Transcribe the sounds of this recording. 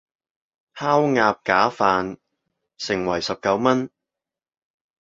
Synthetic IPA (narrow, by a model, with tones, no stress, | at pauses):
haː˥wŋaː˧p̚kaː˨˥faː˨n | sɪ˨˩ŋwɐ˨˩jsɐ˨p̚kɐ˨˥wmɐ˥n